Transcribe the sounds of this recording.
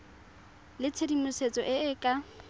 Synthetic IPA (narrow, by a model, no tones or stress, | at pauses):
lɪt͡sʰedimʊset͡sʼɔʔɪɪkʼa